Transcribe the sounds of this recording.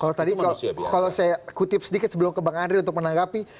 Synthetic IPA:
kalot̪adikalosajakut̪ɪp̚sədikɪt̪səbəlʊmkəbaŋandɾiunt̪ʊk̚mənaŋɡapi

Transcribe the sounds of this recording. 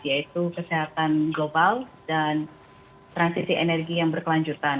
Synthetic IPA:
dijait̪ukəseɦat̪anɡlobaldan | t̪ɾansisiʔenɛrɡijaŋbərkəlaɲd͡ʒut̪an

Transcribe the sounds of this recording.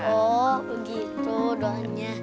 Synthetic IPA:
ɔbəɡit̪udɔɲa

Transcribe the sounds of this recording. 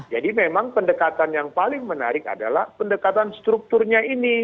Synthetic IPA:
d͡ʒadimemaŋpəndəkat̪anjaŋpalɪŋməna̰ɾɪka̰da̰la̰hpəndəkat̪anst̪ɾuk̚t̪ʊrɲaini

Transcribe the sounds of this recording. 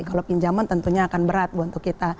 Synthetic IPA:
kalopiɲd͡ʒamant̪ənt̪uɲaːkanbəɾat̪̚buunt̪ʊkːit̪a

